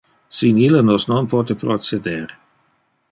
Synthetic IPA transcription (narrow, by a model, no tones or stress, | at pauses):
sinilənosnonpɔt̪epɾot͡sed̪eɾ